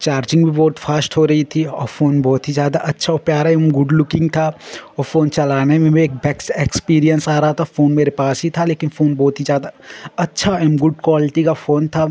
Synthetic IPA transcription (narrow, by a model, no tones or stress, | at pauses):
t͡ʃaːɾd͡ʒɪ̃ŋɡbʱibɔːt̪fʰaːsʈɦoɾɐit̪ʰiɔːɾfoːnbɔːt̪ɦizjaːd̪aʔɐtːʃʰaɔɾpjaːɾaɛmɡʊɖlʊkɪ̃ŋɡ̚t̪ʰaɔːɾfoːnt͡ʃɐlaːnemẽmẽːk̚bɛːksekspiːɾijənsaːɾɐɦat̪ʰafoːnmeːɾepaːsɦit̪ʰaleːkɪnfoːnbɔːt̪ɦizjaːd̪aɐtːʃʰaɛmɡʊɖkwaːlɪʈikafoːnt̪ʰa